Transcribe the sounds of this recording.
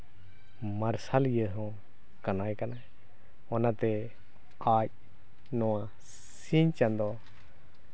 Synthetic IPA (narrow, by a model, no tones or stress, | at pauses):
maɾsaljəɦɔ̃ | kanajkana | ɔnat̪ɛ | ac̚ | nɔwa | siɲt͡ʃand̪ɔ